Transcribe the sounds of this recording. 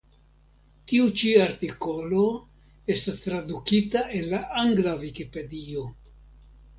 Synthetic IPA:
tiut͡ʃiaɾtiko̞lo | e̞stast̪ɾadukitaʔe̞nlaʔaŋɡlavikipe̞dio̞

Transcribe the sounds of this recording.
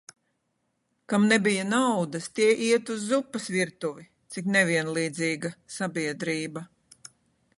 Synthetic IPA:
kamnebijɐnawd̪ɐst̪iɛʔiɛt̪uzːupːɐsviɾt̪uvi | t̪sik̬nɛvʲiɛnlˠiːd̪ziːɡɐsabiɛd̪ɾiːbɐ

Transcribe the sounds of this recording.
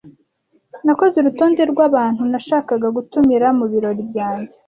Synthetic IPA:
nako̞zeɾutoːndeɾɡwaβaːn̥hunaʃaːkaɡaɡutumiɾamuβiɾo̞ɾibɟaːɲɟe

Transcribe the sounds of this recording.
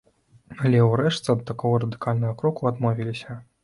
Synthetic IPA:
alʲɛwɾɛʂtt͡s̪ɐd̪t̪akɔɣɐɾɐd̪ɨkalʲnɐɣɐkɾɔkuad̪mɔvʲilʲisʲɐ

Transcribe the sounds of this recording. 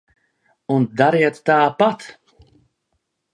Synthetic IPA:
und̪aɾiɛt̪ːaːpat̪

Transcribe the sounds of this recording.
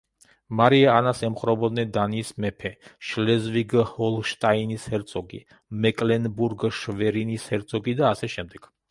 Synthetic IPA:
maɾiaːnasɛmχɾɔbɔd̪nɛd̪anismɛpʰɛʃlɛzviɡhɔlʃt̪ʼainishɛɾt̪sʼɔɡḭ | mɛkʼlɛnbuɾɡʃvɛɾinishɛɾt̪sʼʰɔɡid̪aːsɛʃɛmd̪ɛɡ̥

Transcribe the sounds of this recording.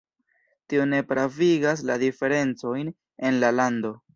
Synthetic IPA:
tio̞ne̞pɾaviɡas̬ladife̞ɾe̞nt͡so̞jn | e̞nlalando̞

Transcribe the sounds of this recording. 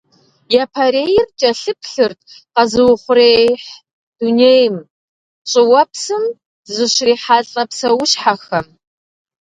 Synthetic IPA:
japʰaɾeːjɪrt͡ʃʼɐɬɨpʰɬɨrt̚ʼ | qɐzɨwʊχʷʊɾeːjħ | d̥uneːjm | t͡ʃʼɪwɐpsɨm | zɨɕriːħaːɬʼɐpsɐwʊɕħaxɐm

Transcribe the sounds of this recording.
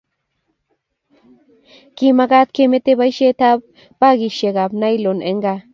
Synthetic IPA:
kimaɡat̪̚kemet̪eβajʃet̪ab̚ː | aɡiʃeɡabnajloneŋɡa

